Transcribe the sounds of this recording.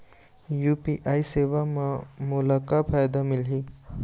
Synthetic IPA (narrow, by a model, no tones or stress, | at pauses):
jupiʔaiseʋamãmulakapʰajd̪amilɦi